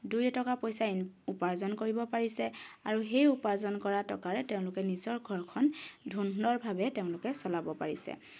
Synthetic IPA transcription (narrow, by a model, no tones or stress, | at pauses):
dujɔtɔkapojsainupaɹzɔnkoɹibɔpaɹisɛaɹuxejupazɔnkɔɹatɔ̰kaɹɛteʊ̃lʊkɛnizɔɹɡʱɔɹkʰɔndʱunːɔɹbʱabɛteʊ̃lʊkɛsɔlabɔpa̰ɹisɛ̰